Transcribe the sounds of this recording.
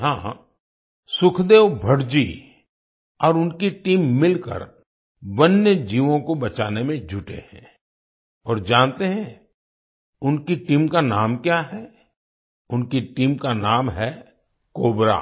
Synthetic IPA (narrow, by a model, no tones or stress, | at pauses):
ɦãː | sʊkʰd̪eːʋbʱɐɽd͡ʒi | ɔːɾʊnkiʈiːmːɪlkə̰ɾ | ʋənjəd͡ʒiːʋõkobɐt͡ʃaːnemẽd͡ʒʱʊʈḛɦɛ̰̃ː | ɔːɾd͡ʒaːnt̪eɦɛ̃ | ʊnkiʈiːmkanaːmkjaːɦɛ | ʊnkiʈiːmkanaːmɦɛ | koːbɾa̰ː